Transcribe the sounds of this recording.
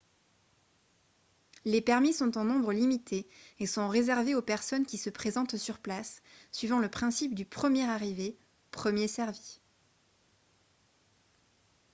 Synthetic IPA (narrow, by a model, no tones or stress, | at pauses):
lepɛʁmisɔ̃t̪ɑ̃nɔ̃bʁəlimit̪ʰeesɔ̃ʁezɛʁveopɛʁsɔnkʲisəpχezɑ̃t̪syʁplasːɥivɑ̃ləpχɛ̃sip̚d̪ypχəmjɛʁaʁive | pχəmjesɛʁvi